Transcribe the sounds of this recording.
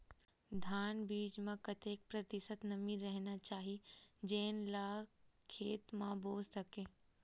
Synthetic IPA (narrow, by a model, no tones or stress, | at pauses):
d̪ʱaːnbiːd͡ʒmãkɐt̪eːk̚pɾɐt̪ɪsət̪nɐmĩɾɛɦnat͡ʃaːɦid͡ʒeːnlaːkʰeːt̪mãboːd͡ʒsɐkẽː